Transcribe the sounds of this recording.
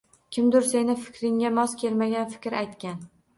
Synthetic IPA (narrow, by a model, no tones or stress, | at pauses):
kʲʰɪmd̪ʊɾse̞nɪfɪ̥kʲɾɪŋːamɒskʲʰe̞lmaɡʲanfɪ̥kʲɾajt̪kʲan